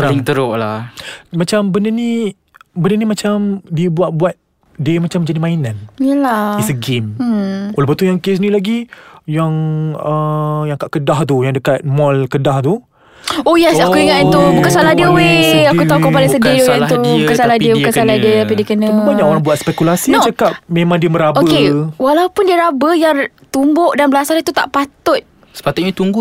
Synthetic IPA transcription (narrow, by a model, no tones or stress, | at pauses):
ɾiŋt̪əɾʊʔla̰mat͡ʃambənəni | bənənimat͡ʃamdiəbuat̪̚buat̪̚ | diəmat͡ʃamd͡ʒadimãinãnjəlaisəɡemolɛpət̪ujaŋkesnĩlaɡijaŋəjaŋkaʔkədaht̪ujaŋdəkat̪̚mɔlkədaht̪u | ojasakuiŋat̪t̪ubukansalahdiəweakut̪aukəpalɪŋsədidojat̪ubukansalahdiəbukansaladiət̪apidiəkənə̃baɲãkoɾaŋbuat̪̚spɛkulasit͡ʃakap̚memãŋdiəməɾaboəkewalawpʊndiəɾabəjaŋ | t̪umbʊʔdanbəlasat̪ut̪a̰ʔpat̪ʊt̪̚ | sə̥pat̪ʊt̪̚ɲat̪uŋɡu